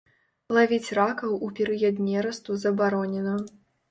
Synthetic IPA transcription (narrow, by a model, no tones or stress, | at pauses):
lˠavʲit͡sʲrakɐwupʲɛɾɨjɐd̪nʲɛɾɐst̪uzɐbaɾɔnʲɛnɐ